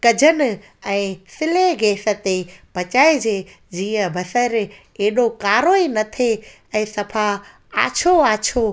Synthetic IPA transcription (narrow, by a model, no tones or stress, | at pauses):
kɐd͡ʑʱənɪ̆ | ɛ̃ːsɪleɡeːsə̆t̪eb̥ɐt͡ɕaːed͡ʑeː | d͡ʑiːə̃bʱɐsəɾ | eːɗokaːɾoːinɐt̪ʰe | ɛ̃ːsɐpʰa | aːt͡ɕʰoaːt͡ɕʰo